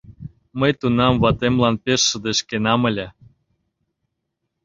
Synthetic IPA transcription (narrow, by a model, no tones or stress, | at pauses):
məjt̪unɑmvɑt̪emlɑnpeʃːə̆d̪eʃkenɑmə̆lʲe